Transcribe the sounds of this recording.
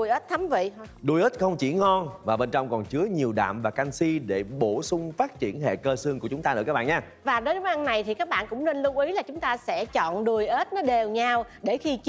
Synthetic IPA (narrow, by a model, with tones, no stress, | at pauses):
jʔə˦˥t̚t̪ʰa˨˦mvḭ˧˨˧ɗu˧jʔəː˦˥t̚xə˧wŋ͡mt͡ɕḭ˧˩˥ŋɔ˧nvaː˨˩ɓe˧nt͡ɕɔ˧wŋ͡mkɔ˨˩nt͡ɕɨ˨˦əɲi˨˩əwɗa̰ː˧˨mvaː˨˩ka˧ŋsi˧ɗe˧˩ɓo˧˩sʊ˧ŋ͡mfaː˦˥t̚t͡ɕi˧˩ənɦḛ˧˨kəː˧sɨ˧əŋku˧˩ət͡ɕʊ˨˦ŋ͡mt̪aː˧nɨ̰˧˥kaː˦˥ɓ̰ːɲaː˧ | vaː˨˩ɗo˨˦jɗʊ˨˦ʔa˧nːa˨˩jt̪ʰi˨˩kaː˦˥k̚ɓa̰ː˧˨nkʊ̰˧˥ŋ͡mne˧nlʊ˧wʔi˨˦la˨˩t͡ɕʊ˨˦ŋ͡mt̪aː˧sɛ̰˧˥t͡ɕɔ̰˧˨nɗu˨˩əjʔəː˦˥t̚nɔ˨˦ɗe˨˩wɲaː˧wɗe˧˩xi˧t͡ɕ